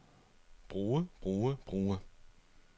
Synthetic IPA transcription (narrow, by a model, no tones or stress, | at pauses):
b̥ʁuːəb̥ʁuːəb̥ʁuːə